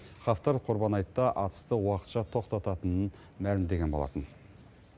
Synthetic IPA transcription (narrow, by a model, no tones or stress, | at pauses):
χɑft̪ɑɾqʰʊɾbɑnɑjt̪ːɑʔɑt̪ə̥st̪əwɑqət̪ʃɑt̪ʰo̞qt̪ɑt̪ɑt̪ənən | mælɪmd̪e̞ɡʲe̞nbo̞lˠɑ̰t̪ən